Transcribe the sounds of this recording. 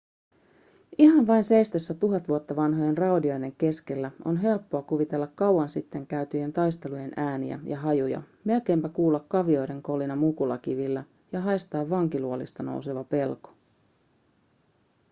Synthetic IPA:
ʔiɦɑɱʋɑjnse̞jst̪esːæt̪uɦɑt̪ʋuot̪ːɑʋɑnɦoje̞nrɑodio̞jde̞ŋk̟e̞ske̞lːæonɦe̞lpːoɑkuʋit̪e̞lːɑkkɑwːɑnsit̪ːe̞ŋkæyɥt̪yje̞nt̪ɑjst̪e̞luje̞nʔæːnḭæ̰jʔɑɦɑjujɑ̰ | me̞lk̟e̞mpækuːlːɑkːɑʋio̞jde̞ŋko̞linɑmukulɑkiʋilːæ | jɑɦɑjst̪ɑːʋːɑŋk̟iluolist̪ɑno̞̰wse̞ʋɑpe̞lko̥

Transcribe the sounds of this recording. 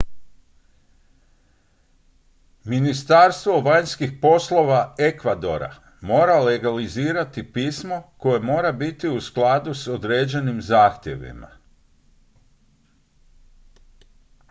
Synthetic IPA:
minist̪aɾst̪ʋo̞ʋaɲskixpo̞slˠo̞ʋae̞kʋad̪o̞̰ɾa̰ | mo̞ːɾale̞ɡaliziːɾat̪ipiːsmo̞ko̞je̞mo̞ːɾabit̪iusklˠad̪usod̪ɾeːd͡ʑe̞nimzaːxt̪je̞̰ʋḭma̰

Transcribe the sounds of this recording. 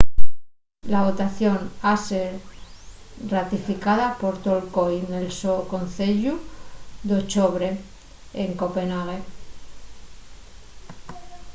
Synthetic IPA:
laβo̞t̪aθjo̞naseɾ | rat̪ifikaðapo̞ɾt̪olko̞jne̞lsoko̞nθeʎud̪ot͡ʃoβɾe̞ | eŋkope̞naɣ̞e̞

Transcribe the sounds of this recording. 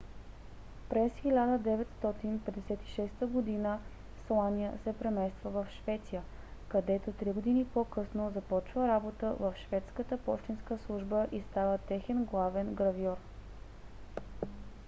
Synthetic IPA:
pɾɛsxilʲad̪əd̪ɛvɛt̪st̪ɔt̪inpɛd̪ɛsɛt̪i̥ʃɛst̪əɡod̪inə | slˠanijəsɛpɾɛmɛst̪vəvəfʃvɛt̪sijə | kɐd̪ɛt̪ot̪ɾiɡod̪inipokɤsnozɐpɔt͡ʃvəɾabot̪əvəfʃvɛt̪skət̪əpɔ̰ʃt̪inskəslˠuʒbəʔist̪avət̪ɛxɛnɡlˠavɛnɡɾɐviɔɾ

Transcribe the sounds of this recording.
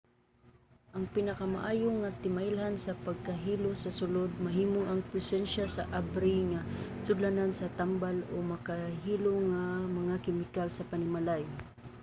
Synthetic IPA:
ʔɐŋpɪnɐkama̰ʔaːjoŋat̪ɪmaʔɪlɦansɐpɐɡ̚kaɦiːlosɐsʊlod̪̚mɐɦiːmoŋʔɐŋpɾɛsɛnʃasaʔabɾɪŋasʊd̪lanansɐt̪ambalomɐkaɦiːloŋamɐŋakɪmɪkalsɐpanɪmalaj

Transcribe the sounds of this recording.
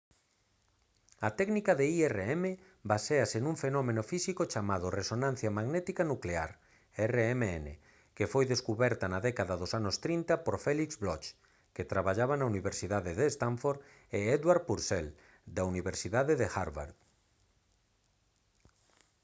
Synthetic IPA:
ɐt̪ɛknikaðeiereeme | baseaseŋuɱfenɔmẽnofisikot͡ʃamaðʊresonãn̟θjamaɣnɛt̪ikanukleaɾ | ɛreemeenḛ | kefojðeskuβɛɾt̪anaðɛkaðaðosanost̪ɾint̪apoɾfɛlikzβlɔt͡ʃ | ket̪ɾaβaʎaβanauniβeɾsiðaðeðest̪aɱfoɾ | eɛðwaɾpuɾsɛl | d̪auniβeɾsiðaðeðexaɾβa̰ɾð

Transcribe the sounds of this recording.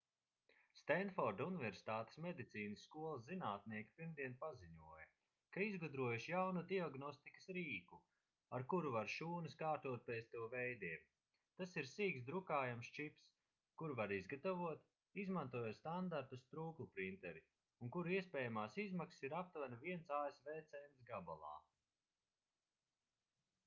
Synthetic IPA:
st̪ɛnd̪fɔɾd̪univeɾsi̥t̪aːt̪e̥smed̪it̪siːnəsːkuɔlˠɐszinaːt̪niɛkʲi̥piɾmd̪iɛnpaziɲuɔjɐ | kaizɡud̪ɾuɔjuʃjawnud̪iaɡnɔst̪ikɐ̥sɾiːku | aɾkuɾuvaɾʃuːnɨskaːɾt̪uɔt̪̚pest̪uwvɛjd̪iɛm | t̪asiɾsiːksd̪ɾukaːjamst͡ʃips | kuɾvaɾizɡat̪avuɔt̪ | izmant̪uɔjost̪and̪aɾt̪ust̪ɾuːklˠupɾint̪ɛɾi | uŋkuɾiɛspɛːjamaːsizmakssiɾap̚t̪vanviɛnsaːesvɛːt̪sɛjnsɡaba̰lˠɑ̰ː

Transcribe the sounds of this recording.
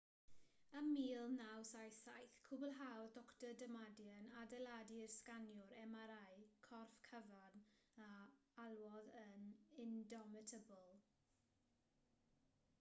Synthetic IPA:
əmiːlˠnawsajsajθkʰubəlˠɦawdɔktədəmadjənadɛladirskanjʊɾɛmaɾajkʰɔrfkʰəvan | aalˠwɔðənɪndɔmɪtʰəbəlˠ

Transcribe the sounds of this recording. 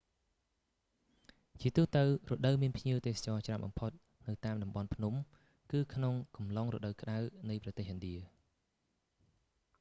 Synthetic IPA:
t͡ɕiət̪uːht̪əwroɗəwmiənpʰɲiəwt̪eːsḁt͡ɕɑːt͡ɕramɓɑ̰mpʰot̪̚ | nɨwt̪aːmɗɑmɓɑnpʰnum | kɨːkʰnoŋkɑmlɑŋro̰ɗəwkə̆ɗawnɨjprɑt̪eːhɦʔɨnɗiə

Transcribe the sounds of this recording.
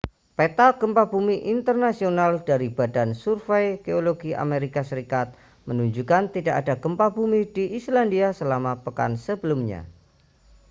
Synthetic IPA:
pet̪aɡ̥əmpab̥umiʔint̪ərnasionald̥aɾib̥adansurfɛjɡ̥eoloɡiʔa̰meɾikasəɾikat̪̚ | mənuɲd͡ʒukant̪idaʔadaɡ̥əmpabumid̥iʔislandiasəlamapəka̰nsəbəlumɲa̰

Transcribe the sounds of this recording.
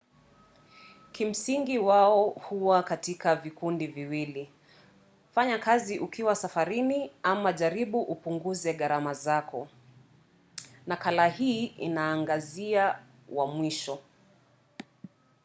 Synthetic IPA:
kim̩siŋɡiwaɔhuwakatikavikundiviwili | faɲakaziʔukʰiwasafaɾiniamaʄaɾiɓuʔupuŋɡuzɛɠaɾamazakɔ | nakalahiːḭnaːŋɡazia | wʔamwiʃɔ

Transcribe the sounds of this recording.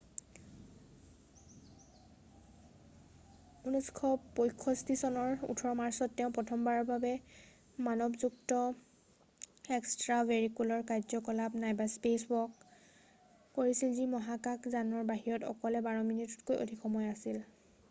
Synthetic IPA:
unɔskʰɔpojkʰːɔstisɔnɔɹṵtʰɔɹɔmaɹsɔtːɛʊ̃pɹɔtʰɔmbaɹɔɹbʱabɛ | manɔbzuktɔ | ɛkstɹaveɹikulɔɹkaɹzɔkɔlap̚najbaspeswɔk | oɹisilzimɔɦakakzanɔɹbaɦiɹɔtɔ̰kɔlɛbaɹɔminitɔtkojʔo̰dʱixʰɔmɔjasil

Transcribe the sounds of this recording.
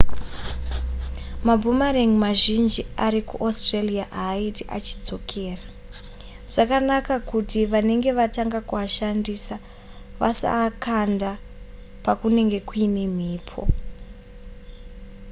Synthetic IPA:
mabʱumaɾeŋimaʒind͡ʒiaɾikuʔostreliaʔaːitiʔat͡ʃid͡zo̞kʰe̞ːra | ʐ̥akanakakutiʋane̞ŋɡe̞ʋataŋɡakuaʃandisa | ʋasa̰kanda | pakune̞ŋɡe̞kuine̞m̤iːpʰo̰

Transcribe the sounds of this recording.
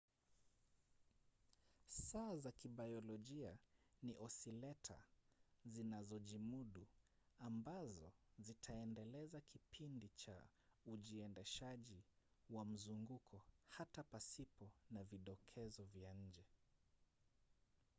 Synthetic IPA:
saːzakiɓajɔlɔʄianiʔɔsilɛtʰa̰zinazɔʄimuɗu | ambazɔzitʰaɛndɛlɛzakipʰindit͡ʃa | uʄiɛndɛʃaʄi | wam̩zuŋɡukʰɔhatapasipɔnaviɗɔkʰɛzɔvjaɲ̩d͡ʒɛ

